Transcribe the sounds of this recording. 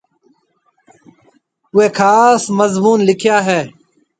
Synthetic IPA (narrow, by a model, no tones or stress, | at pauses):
ʊeːkʰaːsməzmuːnlɪkʰjaːɦɛː